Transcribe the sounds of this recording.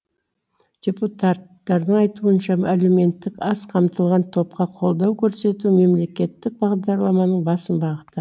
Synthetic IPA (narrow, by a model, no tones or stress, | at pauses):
d̪̥ʲe̞put̪at̪ːɑɾd̪əɴɑjt̪uənʃɑalume̞nt̪ːɪkɑsqʰɑmt̪əlˠʁɑnt̪ʰo̞p̚qɑqʰo̞lˠd̪ɑwkʲʰɵɾse̞t̪ume̞mle̞kʲe̞t̪ːɪk̚bɑʁd̪ɑɾlˠɑmɑnəɴbɑsənbɑʁət̪ə